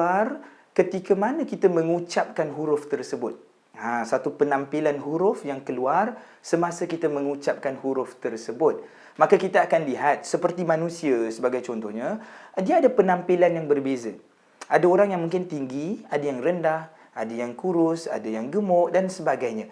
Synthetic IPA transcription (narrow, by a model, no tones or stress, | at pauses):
ar | kət̪ikəmanakit̪amə̃ŋut͡ʃap̚kanɦuɾʊft̪ərsəbʊt̪̚ | ãsat̪upənampilanɦuɾʊfjaŋkəluar | səmasakit̪amə̃ŋut͡ʃap̚kanhuɾʊft̪ərsəbʊt̪̚ | makakit̪aakanliɦat̪̚səpərt̪imãnũsiasəbaɡajt͡ʃɔnt̪ɔhɲadiaadapənãmpilanjaŋbərbeza | adaoɾaŋjaŋmũŋkɪnt̪iŋɡiadajaŋrəndah | adajaŋkuɾʊsa̰dajaŋɡəmɔʔdansəbaɡajɲã